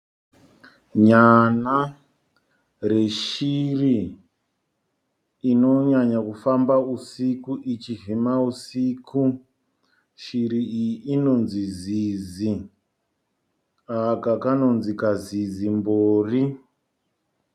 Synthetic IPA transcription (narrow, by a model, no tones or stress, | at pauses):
ɲana | re̞ʃiri | no̞ɲaɲakufambausikuʔit͡ʃivimausiːku | ʃiɾiiiːno̞nzizizi | akakano̞nzikazizimboːri